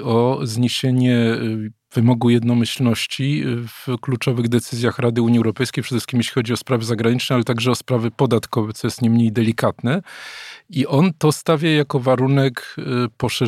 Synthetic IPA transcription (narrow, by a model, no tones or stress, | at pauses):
ɔzɲeɕeɲɛ | v̥ɘmɔɡujɛd̪nɔmɘɕlnɔɕt͡ɕivklut͡ʂɔvɘɣd̪ɛt̪sɘzʲjaxɾad̪ɘuɲiɛwɾɔpɛjskʲejpʂɛd̪ɛʂɘ̥skʲimjeɕlʲixɔd͡ʑiɔspɾavɘzaɡɾaɲit͡ʂnɛalɛt̪aɡʐɛɔspɾavɘpɔd̪at̪kɔvɛt̪ɔjɛst̪ɲejmɲejd̪ɛlʲikat̪nɛ | iʔɔnt̪ɔst̪avʲjajakɔvaɾunɛkpɔʂɛ